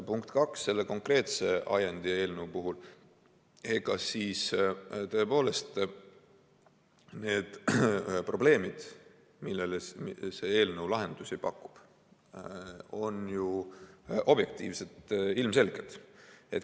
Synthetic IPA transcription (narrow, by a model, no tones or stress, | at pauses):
puŋkt̪kɑksːe̞lːe̞ko̞ŋkre̞ːt̪se̞ʔɑ̰jend̪̥ie̞ːlnəwpuɦul | e̞ɡ̥ɑsiːst̪øe̞po̞ːle̞st̪ | ne̞ːd̪̥pro̞ble̞ːmid̪̥ | milːelese̞eːlnəwlɑɦe̞nd̪̥usipɑkːˑu̥b̥ | o̞nju | ʔo̞b̥je̞k̚t̪ḭːvse̞t̪ilmse̞lɡet̪et̪